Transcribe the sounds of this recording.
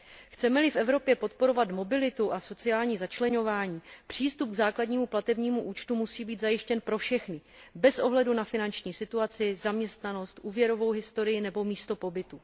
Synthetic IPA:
xt͡sɛmɛlɪfʔɛvɾo̞pjɛpo̞t̪po̞ɾo̞vat̪mo̞bɪlɪt̪uʔaso̞t͡sɪaːlɲiːzat͡ʃlɛɲo̞vaːɲiːpr̝̥iːst̪up̚ɡzaːkladɲiːmuplat̪ɛbɲiːmuʔuːt͡ʃt̪umusiːbiːd̪zajɪʃcɛnpɾo̞fʃɛxnɪbɛsʔo̞ɦlɛdunafɪnant͡ʃɲiːsɪt̪uat͡sɪzamɲɛst̪nano̞st̪ʔuːvjɛɾo̞vo̞wɦɪst̪o̞ɾɪjɪnɛbo̞miːst̪o̞po̞bɪt̪u

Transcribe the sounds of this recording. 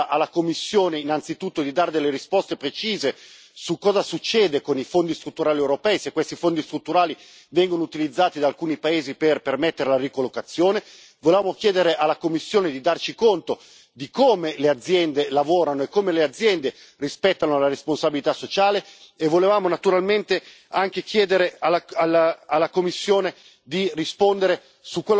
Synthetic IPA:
ʔalːakomːisːjoːneinːant̪sit̪ut̪ːod̪id̪aːɾed̪elːeɾispɔst̪epɾet͡ʃiːze | sukːɔːzasut͡ʃːɛːd̪ekonifond̪ist̪ɾut̪ːuɾaːliɛewɾopɛːisekːwest̪ifond̪ist̪ɾut̪ːuɾaːli | vɛŋɡonout̪ilid̪zːaːt̪id̪aːlkuːnipaeːziperpermɛt̪ːeɾelarikolːokat̪sːjoːne | volevaːmok̟jɛːd̪eɾeʔalːakomːisːjoːned̪id̪art͡ʃikont̪o | d̪ikoːmelead̪zːjɛnd̪elavoːɾanoekːoːmelead̪zːjɛnd̪e | rispɛt̪ːanolaɾesponsabilit̪asːot͡ʃaːleevːolevaːmonat̪uɾalment̪e | aŋkek̟jɛːd̪eɾealaalaalːakomːisːjoːne | d̪irispond̪eɾe | sukːwel

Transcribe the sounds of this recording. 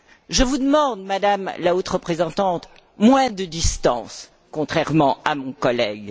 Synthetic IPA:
ʒəvud̪əmɑ̃d̪mad̪amlaot̪ʁəpχezɑ̃t̪ɑ̃t̪ | mwɛ̃d̪əd̪ist̪ɑ̰̃s | kɔ̃t̪χɛʁmɑ̃amɔ̃kɔlɛɡ

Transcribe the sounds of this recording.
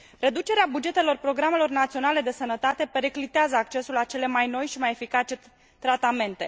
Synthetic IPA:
re̞d̪ut͡ʃe̞ɾeabud͡ʒe̞t̪e̞lo̞rpɾo̞ɡɾame̞lo̞rnat̪sio̞nale̞d̪e̞sənət̪at̪e̞pe̞ɾeklit̪eazəak̚t͡ʃe̞sulat͡ʃe̞le̞majno̞jʃimaje̞fikat͡ʃe̞ | t̪ɾat̪ame̞nt̪e̞̰

